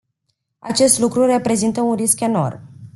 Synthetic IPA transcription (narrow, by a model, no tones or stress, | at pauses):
a̰t͡ʃe̞st̪lukɾure̞pɾe̞zint̪əunriske̞no̞̰r